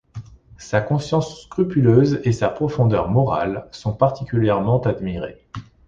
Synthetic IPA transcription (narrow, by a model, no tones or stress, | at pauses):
sakɔ̃sjɑ̃sːkχypyløzesapχɔfɔ̃d̪œʁmɔʁa̰lsɔ̃paʁt̪ikʲyljɛʁmɑ̃t̪ad̪miʁḛ